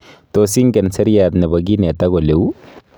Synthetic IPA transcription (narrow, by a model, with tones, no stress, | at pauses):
t̪osi˦ŋɡɛ˨nsɐ˦ɾijat̪nɛ˨bɐɡi˦nɛ˨t̪a˦ɡɔ˨le˨w